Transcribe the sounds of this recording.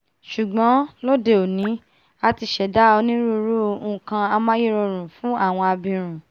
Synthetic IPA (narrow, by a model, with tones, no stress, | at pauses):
ʃu˨ɡ͡bɔ̃˨˦lo˦de˧o˨nĩ˨˦ | a˧ti˧ʃɛ˨da˦o˧nĩ˦ɾu˦ɾũ˦˨kã˧a˧mã˦je˦˨ɾo˧ɾ̃ũ˨fũ˦a˦˨w̃ɔ̃˧a˧bĩ˧ɾ̃ũ˨